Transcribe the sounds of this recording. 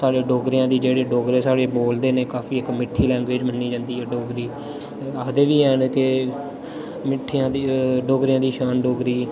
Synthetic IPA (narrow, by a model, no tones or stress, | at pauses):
saːɽeːɖoːɡɾjãːd̪iːd͡ʒeːɽeːɖoːɡɾeːsaːɽeːboːld̪eːneːkaːpʰiːɪkmɪʈʰːiːlɛ̃ːŋɡʋeːd͡ʒmənːiːd͡ʒãːnd̪iːɦɛːɖoːɡɾiː | əd̪eːʋiːɛːnke | mɪʈʰːijãːd̪iɖoːɡɾɪjãːd̪iːʃaːnɖoːɡɾiː